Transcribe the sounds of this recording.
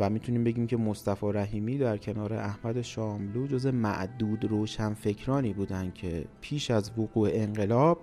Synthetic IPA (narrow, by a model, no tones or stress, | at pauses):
væmit̪ʰuniːmbe̞ɟiːmcʰe̞most̪æfɒːɾæɦiːmiːd̪æɾcʰe̞nɒːɾe̞̰ʔæhmæd̪e̞ʃɒːmluːd͡ʒoːzemæ̰ʔd̪uːd̪ɾoːʃænfe̞cʰɾɒːniːbuːd̪ænd̪̥cʰe̞pʰiːʃæzvoɣuːeeŋɢe̞lɒːb̥̚